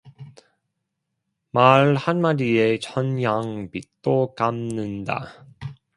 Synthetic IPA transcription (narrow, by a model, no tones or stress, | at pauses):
maɭhanmaɾiet͡ɕʰʌnjaŋpit̚t͈okamnɯnda̰